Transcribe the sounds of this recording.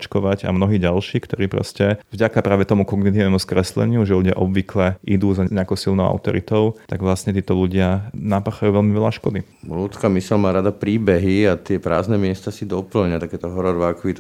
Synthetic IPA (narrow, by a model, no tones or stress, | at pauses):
t͡ʃkɔʋaɟa̰mnɔɦiːɟalʃiːkt̪ɔɾiːpɾɔ̰scɛvɟakapɾaːʋɛt̪ɔmukɔɡnit̪iːnɛmuskɾɛslɛ̰ɲɪuʒɛluɟɪa̰ʔɔbʋiklɛʔid̪uːzaɲɛakɔʊsilnɔʊa̰ʊt̪ɔɾḭt̪ɔʊt̪aɡʋlasɲɛt̪iːt̪ɔluɟɪanapaxajuːʋɛlmiʋɛʎaʃkɔd̪i | lut̪skamisɛlmaːɾad̪apɾiːbɛɦiat̪ɪɛpɾa̰ːznɛmɪɛst̪asid̪ɔpl̩ɲat̪akɛːt̪ɔɦɔɾɔɾʋakʋit̪